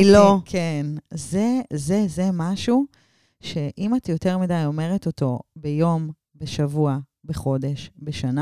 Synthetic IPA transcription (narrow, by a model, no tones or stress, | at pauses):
lokʰenzeze̞ze̞maʃu | ʃe̞ʔimat̪jo̞te̞ʁmidajo̞me̞ʁe̞to̞to̞bejo̞m | beʃavua | be̞χo̞de̞ʃbeʃana